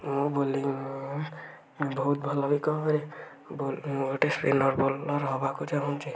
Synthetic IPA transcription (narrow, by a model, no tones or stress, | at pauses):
mũboli | bɔɦut̪̚bʱɔlɔbikɔɔɾe | boloʈesɾḭnɔɾbɔlɔɾɦɔbakud͡ʒaɦɔnt͡ʃʰi